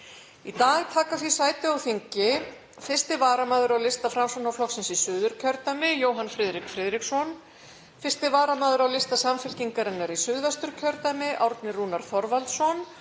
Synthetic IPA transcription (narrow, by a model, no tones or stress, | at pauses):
it̪aːɣt̪ʰaːkaθisaːjt̪ɪawfiɲcɪ | fɪ̥st̪ɪvaːɾamaːðʏɾawlɪst̪afɾamsɔnawflɔxsɪnsisʏːðʏɾ̥cʰœɾt̪amɪjoːwɦanfɾɪːðɾikfɾɪðɾiksɔn | fɪst̪ɪvaːɾamaːðʏɾawlɪst̪asamfɪlciŋkaɾɪnːaɾisʏðvast̪ʏɾ̥cʰœɾt̪amɪʔawɾt̪nɪruːnaɾ̥θɔɾvalt̪sɔn